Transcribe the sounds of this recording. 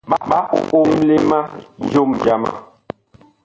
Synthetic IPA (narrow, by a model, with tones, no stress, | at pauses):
ɓa˦ɓa˦ʔo̰˨ʔo˦m˦m̩˦le˦ma˦d͡ʒo˦md͡ʒa˦ma̰˦˨